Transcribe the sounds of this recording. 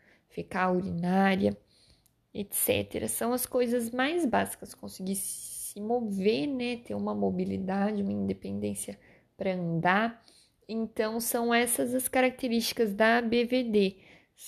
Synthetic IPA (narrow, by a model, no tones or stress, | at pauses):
fekauɾinaɾjɐ | et̪sɛ̰t̪ḛɾɐ̰sɐ̃w̃ɐskojzɐzmajzbazi̥kɐskõsiɡiɾssɪmovenɛt̪eɾũmɐmobilid̪ad͡ʒɪũmɐĩnd̪epẽnd̪ẽsjɐ | pɾɐɐ̃nd̪aɾ | ẽnt̪ɐ̃w̃sɐ̃w̃ɛsɐzɐskaɾak̚t̪eɾist͡ʃi̥kɐzd̪ɐbeved̪e